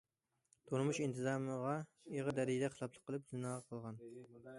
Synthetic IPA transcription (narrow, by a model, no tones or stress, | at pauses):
t̪ʰuɾmuʃint̪ʰɨzɑːmɨʁɑ | eʁəd̪æɾɪd̪ɛqʰəsˠɑplˠəqʰːəlˠp̚zunɑːʁɑqʰəlˠʁɑn